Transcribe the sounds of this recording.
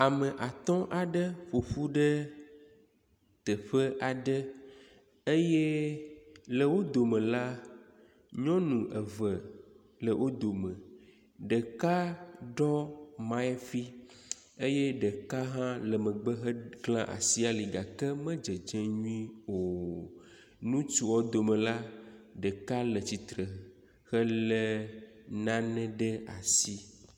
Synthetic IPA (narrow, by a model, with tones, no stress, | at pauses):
a˨mə̃˨ʔa˨t̪ɔ̃˦ʔa˨ɖə˦ɸo˨ɸu˦ɖə˦ | t̪ə˨ɸə˦ʔa˨ɖə˦ | e˦jɛ˦ | lə˨wo˦d̪o˨mə̃˨la˦ | ɲɔ̃˦nũ˨ʔə˨və˨ | lə˨wʔo˦d̪o˨mə̃˨ | ɖə˨ka˦ɖɔ˦mã˦ɛ˦fi˦ | e˦jɛ˦ɖə˨ka˦ɦã˦lɛ˨mɛ̃˨ɡ͡bə˦ɦɛ˦klã˦ʔa̰˨si˦a˨li˨ɡa˨kɛ˦mɛ̃˦d͡ʒɛ˨d͡ʒɛ̃˦ɲũ˦ĩ˦wo˨ | nũ˦t͡ʃu˨wɔ˦d̪o˨mɛ̃˨la˦ɖɛ˨ka˦lɛ˨t͡ɕi˨t̪ɾə˨ | xɛ˦llɛ˦nã˦nɛ̃˦ɖɛ˦a˨si˦